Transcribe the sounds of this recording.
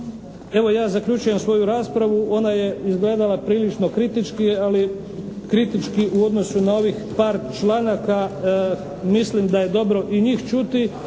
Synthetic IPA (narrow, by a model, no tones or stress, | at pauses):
e̞ʋo̞jaːzakʎut͡ʃuje̞msʋo̞juɾaːspɾaʋuʔo̞naje̞izɡle̞ːd̪alapɾiːlit͡ʃno̞kɾit̪it͡ʃkiali | kɾit̪it͡ʃkiʔuo̞d̪nosunao̞ʋixpaːɾt͡ʃlaːnaka | mislimd̪aje̞d̪o̞bɾo̞ʔiɲiːxt͡ʃut̪i